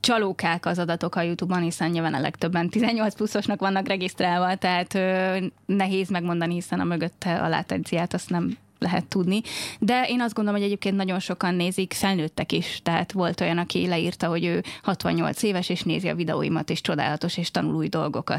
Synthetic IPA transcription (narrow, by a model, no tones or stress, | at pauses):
t͡ʃɒloːkaːkɒzɒd̪ɒt̪o̞kɒjut̪ubɒnhisɛnɲiːlvanɒ̰lɛ̰kt̪øbːɛnt̪izɛɲːo̞lt̪splusːo̞ʃnɒkʋɒnːɒkrɛɡist̪raːlvɒt̪ɛɦaːt̪ønɛɦeːzmɛɡmo̞nd̪ɒniɦisɛnɒ̰møɡøt̪ʰːɛɒ̰la̰ːt̪ɛ̰nt̪sijaːt̪ɒst̪nɛm | lɛɦɛ̰t̪ːud̪nid̪ɛʔeːnɒzd̪ɡond̪oomhɟɛɟeːp̚keːnt̪nɒɟo̞nʃo̞kɒnːeːzikfɛlnøːt̪ːɛkiʃt̪ɛɦa̰ːt̪ʋo̞lt̪o̞jɒnɒkḭlɛḭrt̪ɒɦo̞ɟøːhɒt̪ʋɒ̰ɲɲo̞̰lt̪seːvɛʃeːʃnḛːziɒ̰vid̪ɛ̰o̰ːjḭmɒ̰t̪eːʃt͡ʃo̞d̪a̰ːlɒt̪o̞ʃeːʃt̪ɒnṵluːjd̪o̞lɡo̞̰kɒ̰t̪